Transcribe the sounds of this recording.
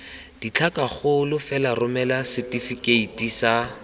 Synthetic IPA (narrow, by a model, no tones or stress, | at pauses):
d̥it͡ɬʰakaχʊlʊfɛlarʊmɛlasɪtifikeitisa